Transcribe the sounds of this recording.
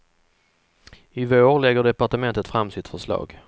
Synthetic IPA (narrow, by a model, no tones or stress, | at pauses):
ɪvoːɾlɛɡːəɖɛpaʈəmɛnt̪ət̪fɾamsɪt̪fœʂlɑ̰ːɡ